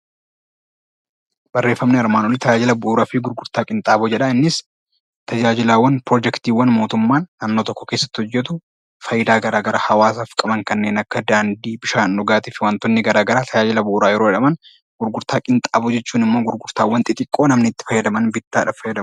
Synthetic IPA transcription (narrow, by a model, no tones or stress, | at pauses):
b̥ɐrːe̞ːfːɐmnɛɐɾmaːnɔlɪt̪ʰɐd͡ʒaːd͡ʒɪlɐbʊʔːɾaːfɪɡʊɾɡʊɾt̪aːkʼɪnt̪ʼaːbɔd͡ʒɛᶑɐɪnːɪs | t̪ɐd͡ʒaːd͡ʒɪlaːwːɐnpɾoːd͡ʒɛkt̪iːwːɐnmo̞ːt̪ʊmːaːnːaːnːoːt̪ɔkːɔ̥keːsːɐ̥t̪ːɪhɔd͡ʒːɛt̪ʊ | fɐjɪd̪aːɡɐɾaːɡɐɾahɐwaːsaːfkʼɐmɐŋkɐnːe̞ːnɐkːɐd̪aːnd̪iːbɪʃaːnʔɔɡaːt̪iːfɪwaːnt̪ɔnːɪɡɐɾaːɡɐɾaːt̪ʰɐd͡ʒaːd͡ʒɪlɐbʊʔːɾaːjɛɾoɛᶑɐmɐn | ɡ̥ʊɾɡʊɾt̪aːkʼɪnt̪ʼaːbɔd͡ʒɛt͡ʃːuːnɪmːoːɡʊɾɡʊɾt̪aːwːɐnt̪ʼɪt̪ʼɪkʼːo̞ːnɐmnɪt̪ːɪ̥fɐjːɐd̪ɐmɐnbɪt̪ːaːᶑɐfɐjːɐd̪ɐm